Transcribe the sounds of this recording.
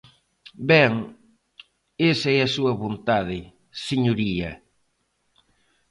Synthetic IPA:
bɛŋ | esaɛɐsuɐβont̪að̞ɪ | seɲoɾiɐ

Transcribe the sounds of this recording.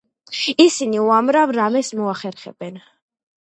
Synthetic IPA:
isiniuamɾavɾamɛsmɔaχɛɾχɛ̰b̥ɛn

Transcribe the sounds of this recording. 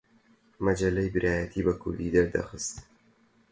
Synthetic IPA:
mɐd͡ʒɐlːɐjbɨɾʔaːjɐt̪ʰiːbɐkʰʊ̰ɾd̪iːd̪ɐɾd̪ɐ̰xɨst̪

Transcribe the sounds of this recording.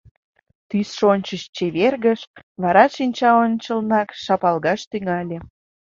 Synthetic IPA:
t̪ysʃonʲt͡ɕəʃt͡ɕeβerɣəʃβɑɾɑʃinʲt͡ɕɑonʲt͡ɕəlnɑkʃɑpɑlɣɑʃt̪yŋɑlʲe

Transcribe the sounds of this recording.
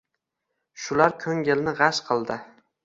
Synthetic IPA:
ʃʊlaɾkʲʰɵŋɡʲɪlnɪʁɑʃqʰɨlˠd̪ɪ

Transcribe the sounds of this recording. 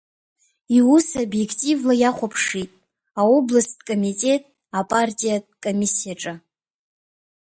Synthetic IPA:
iwusobje̞kʰtʼivlajaχʷapʰʂitʼ | aoblastkʼo̞mitʼe̞tʼ | apʼartʼijad̚kʼomʲisijaʈ͡ʂʼa

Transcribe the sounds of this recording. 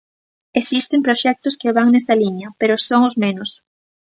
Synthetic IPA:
esist̪empɾoʃɛk̚t̪ʊskeβaŋnɛst̪ɐliɲɐpeɾosoŋʊzmenʊs

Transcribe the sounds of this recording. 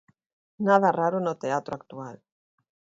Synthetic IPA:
naðaraɾʊnot̪eat̪ɾoak̚t̪ual

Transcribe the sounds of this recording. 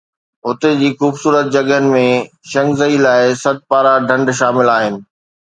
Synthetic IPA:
ɦʊt̪ed͡ʑiːxuːbsuːɾət̪̚d͡ʑɐɡənɪ̆mẽ | ʃɐ̃ŋɡzəilaːɪsɐd̪̚paːɾaɖʱɐ̃ɳɖʃaːmɪlaːɦɪnɪ̆

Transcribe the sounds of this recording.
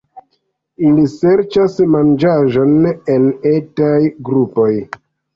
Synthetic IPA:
iliseɾt͡ʃasmand͡ʒaʒo̞ne̞netajɡɾupo̞j

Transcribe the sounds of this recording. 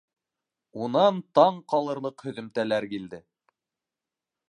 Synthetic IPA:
unɑnt̪ɑɴqɑlˠɤ̆ɾlˠɤqhɵ̆ðɵ̆mt̪ælæɾkild̪ɘ

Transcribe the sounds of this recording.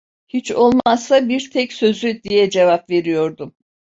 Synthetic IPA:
hit͡ʃo̞lˠmassabiɾt̪ʰɛcsø̞zyd̪ijɛd͡ʒevapve̞ɾijo̞ɾd̪um

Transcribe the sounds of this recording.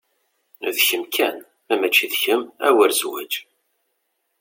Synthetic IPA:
ðçəmkʰæn | æmæt͡ʃːiðçəmæ̰wəɾzwæ̰d͡ʒ

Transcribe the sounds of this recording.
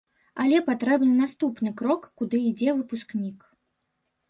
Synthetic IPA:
alʲɛpat̪ɾɛbnɨnast̪upnɨkɾɔkːud̪ɨid͡zʲɛvɨpusknʲik

